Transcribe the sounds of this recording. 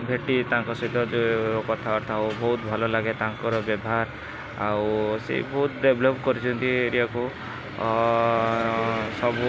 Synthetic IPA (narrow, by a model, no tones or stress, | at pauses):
bʱeʈit̪aãŋkɔsɔɦid̪ɔoɾɔkɔt̪ʰaɔɾt̪ʰaobɔɦut̪bʱɔlɔlaɡet̪aaŋkɔɾɔbjɔbʱaɾ | awsḛbɔɦut̪ɖebʱlopkɔɾit͡ʃʰɔnt̪iɾiaku | sɔbu